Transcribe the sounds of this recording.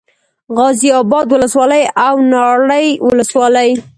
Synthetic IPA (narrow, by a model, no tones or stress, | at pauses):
ɣɑziɑbɑd̪wʊləswɑləjawnɑɽəjwʊləswɑləj